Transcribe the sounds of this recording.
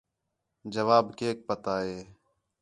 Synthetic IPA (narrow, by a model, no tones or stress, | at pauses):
d͡ʒəʋaːbkeːk̚pət̪aːɦeː